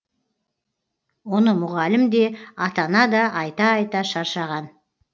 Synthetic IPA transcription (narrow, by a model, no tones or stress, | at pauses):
wo̞nəmʊʁɑlɪmd̪e̞ɑt̪ɑnɑd̪ɑʔɑjt̪ɑːjt̪ɑʃɑɾʃɑʁɑn